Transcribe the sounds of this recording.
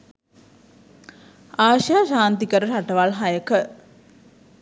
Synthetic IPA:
aːʃjaʃaːnt̪ikəɾəʃaʈəʋalɦajəkə

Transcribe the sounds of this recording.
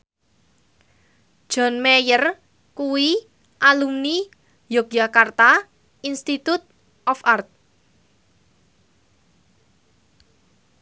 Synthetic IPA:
ʒ̥ɔ̤nmejər | kuwi | ʔalumni | jɔk̚d͡ʒakart̪a | inst̪it̪ut̪̚ | ʔɔfart̪̚

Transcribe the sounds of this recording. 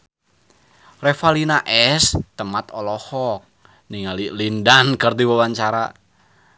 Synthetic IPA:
refalinaʔɛst̪əmat̪ɔlɔhɔk̚ | niŋalilindankərd̪iwawaɲt͡ʃaɾa̰

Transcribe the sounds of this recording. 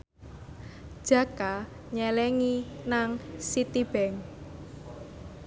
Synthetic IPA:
d̥ʒ̥a̤ka | ɲɛlɛŋinaŋsit̪ib̥ɛŋ

